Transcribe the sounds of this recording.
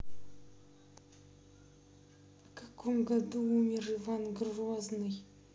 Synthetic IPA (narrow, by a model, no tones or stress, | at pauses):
vkʰḁkʰomɡad̪uumʲɪrɨvanɡroznɨj